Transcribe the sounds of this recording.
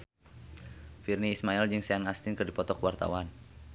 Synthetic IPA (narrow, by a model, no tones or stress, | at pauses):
firniːsmaild͡ʒɨŋseanast̪ɪnkərdipɔt̪ɔkwart̪a̰wan